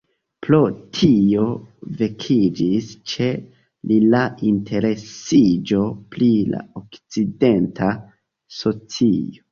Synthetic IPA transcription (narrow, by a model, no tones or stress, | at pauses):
plotʰio̞ve̞kʰid͡ʒist͡ʃe̞ | lilaʔintʰe̞ɾe̞sid͡ʒo̞plila̰okt͡side̞ntʰa | so̞t͡sio